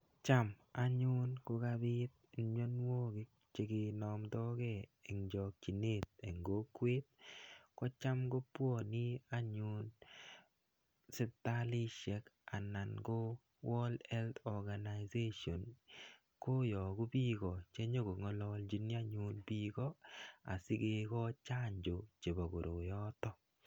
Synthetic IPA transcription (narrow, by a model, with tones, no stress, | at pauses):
t͡ʃa˦˨ma˨ɲʊ˦nko˦ka˦bɪ˦t̪̚ɲo˦n˦wo˦ɡɪ˦k | t͡ʃe˨ɡɪ˨nɔ˨md̪ɔ˦ɡe˦˨e˨ŋd͡ʒɔ˨k̚t͡ʃi˨ne˦˨t̪̚e˨ŋɡo˦kwe˦t̪̚kɔ˦t͡ʃa˦mɡo˦pwo˦˨nɪ˦a˦ɲʊ˦n | sɪ˦t̪a˦lɪ˦ʃɛ˨ka˨na˨nɡo˦ | wɔ˦lɛ˦ltɔ˨ɡa˨na˨jze˦ʃo˨n | ko˦jɔ˨ɡu˦bi˦ɡɔ˨t͡ʃe˦ɲo˦ɡo˨ŋɔ˦lɔ˧ld͡ʒi˦ni˦a˦ɲu˨nbi˦ɡɔ˦a̰˨si˦ɡe˦kɔ˦t͡ʃa˦ɲd͡ʒo˨t͡ʃe˨bɔ˨ɡo˨ɾo˨jɔ˦t̪ɔ˦